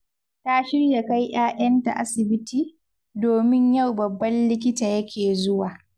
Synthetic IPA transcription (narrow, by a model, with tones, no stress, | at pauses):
ta˦ʃɪ˦rja˨ka˦jʔaː˦ʔɐ˦nta̰˨ʔa̰˦sɪ˨bɪ˦tiː˨ | doː˨mɪ˦ɲja˦˨wbɐ˨bːɐ˦nlɪ˦k̬ʲɪ˦taː˨jɐ˦kʲʰeː˨zʊ˦waː˨